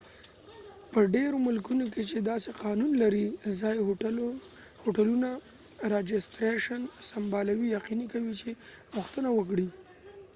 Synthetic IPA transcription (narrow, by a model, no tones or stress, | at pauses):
pəɖeɾomʊlkunok̬et͡ʃed̪ɑseqɑnunlaɾizɑj | hoʈaluna | ɾɑd͡ʒɪsʈɾeʃansambɑlawijaqinikawit͡ʃepʊxt̪ənawək̬ɽi